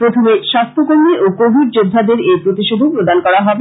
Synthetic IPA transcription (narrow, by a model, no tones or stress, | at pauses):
pɾot̪ʰomeʃast̪ʰokoɾmiʔokobʱiɾd͡ʑod̪ʱːad̪eɾepɾot̪iʃobʱopɾod̪ankɔɾaɦɔbe